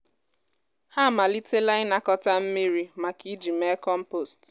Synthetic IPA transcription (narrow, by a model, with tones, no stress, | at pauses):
ha˦˨ma˨li˦te˦la˦ɪ˦na˨kɔ˦ta˦m̩˦mi˦ɾi˦ma˨ki˦d͡ʒi˨me˦kɔ˦m̩˦po˦˨st